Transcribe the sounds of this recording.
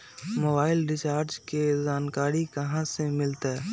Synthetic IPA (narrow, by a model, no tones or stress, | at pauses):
moːbaːɪlɾɪt͡ʃaːɾt͡ʃkezaːnkaːɾikɐɦãsemɪlt̪e